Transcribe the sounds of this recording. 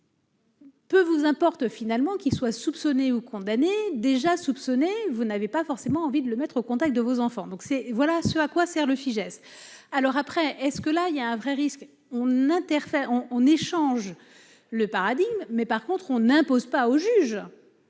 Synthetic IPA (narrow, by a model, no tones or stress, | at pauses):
pøvuzɛ̃pɔʁt̪finalmɑ̃kʲilswasupsɔneukɔ̃d̪aned̪eʒasupsɔnevunavepafɔʁsemɑ̃ːvid̪ələmɛt̪χokɔ̃t̪ak̚t̪̚d̪əvozɑ̃fɑ̃d̪ɔ̃ksɛvwalasøakwasɛʁləfiʒɛsalɔʁapχɛʔɛskəlailjaɛ̃vʁɛʁisk | ɔ̃nɛ̃t̪ɛʁfɛʁɔ̃ːneʃɑ̃ʒ | ləpaʁad̪iɡmːɛpaʁkɔ̃t̪χɔ̃nɛ̃pozpaoʒyʒ